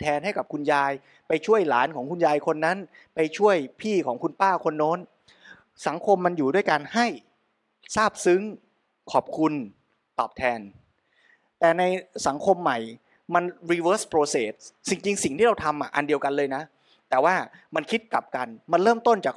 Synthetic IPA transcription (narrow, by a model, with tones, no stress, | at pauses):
t̪ʰɛː˧nha˥˩jka˨˩p̚kʰu˧njaː˧j | pa˧jt͡ɕʰu˥˩əjlaː˩˦nkʰɔː˩˦ŋkʰu˧njaː˧jkʰo˧nːa˦˥n | pa˧jt͡ɕʰu˥˩əjpʰiː˥˩kʰɔː˩˦ŋkʰu˧npaː˥˩kʰo˧nːoː˦˥n | sa˩˦ŋkʰo˧mːa˧njuː˨˩du˥˩əjkaː˧nha˥˩j | saː˥˩p̚sɯ˦˥ŋ | kʰɔː˨˩p̚kʰu˧n | t̪ɔː˨˩p̚t̪ʰɛː˧n | t̪ɛː˨˩na˧jsa˩˦ŋkʰo˧mːa˨˩j | ma˧nɾiː˧wəː˦˥spʰɾoː˧seː˨˩t̪̚si˧ŋt͡ɕi˧ŋsi˨˩ŋt̪ʰiː˥˩ɾa˧wt̪ʰa˧mʔa˨˩ʔa˧ndi˧əwka˧nlɤː˧jna˦˥ | t̪ɛː˨˩waː˥˩ma˧nkʰi˦˥t̪̚ka˨˩p̚ka˧nma˧nɾɤː˥˩mt̪o˥˩nt͡ɕaː˨˩k